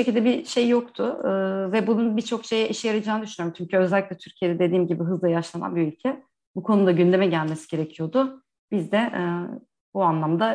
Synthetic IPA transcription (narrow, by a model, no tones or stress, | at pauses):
ʃecʰilʲd̪ɛbiʃe̞jːo̞k̚t̪ʰʊvɛbununbit͡ʃʰo̞kʃe̞jɛʔiʃɛjaɾad͡ʒaːnd̪yʃynioumt͡ʃʰyɲcʰyø̞zɛlʲːiclʲɛt̪ʰyɾcʰije̞d̪ɛd̪ed̪iːmɟibiɦɯzˠajaʃlˠana̰nbiylʲcʰɛ | bukʰo̞nud̪aɟynd̪e̞mɛɟælʲme̞si̥ɟe̞ɾe̞cʰijo̞d̪ʊ | bizd̪ɛʔ | buanlˠamd̪a